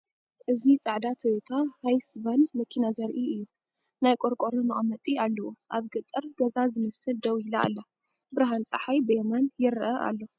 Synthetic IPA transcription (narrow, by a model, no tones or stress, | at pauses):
ʔɨzit͡sʼaʕd̪at̪ʰowt̪ʰahajsbanmɐkʰinazɐɾʔiɨjːu | najkʼoɾkʷʼoɾɐmɐʔɐmɐt̪ʼialːɐwuʔaβɡɨt̪ʼːɨɾɡɐzazɨmɐsɨld̪ɐwila̰ːlːɐ | bɨɾaɦant͡sʼaħajbɨjɛmɐnjɪɾʔɐʔa̰lːɐ